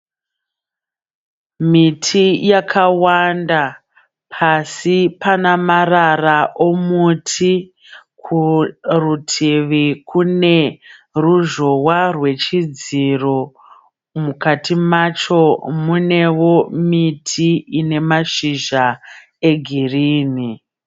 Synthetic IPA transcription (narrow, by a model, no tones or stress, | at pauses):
mitʰijakʰawanda | pʰasipanamararaʔomutʰi | kʰurutʰiʋikʰune̞ruʒo̞warwe̞t͡ʃid͡ziro̞ | mukatimat͡ʃo̞mune̞wo̞mitʰiine̞maʃiʒa | e̞ɡʱiriːni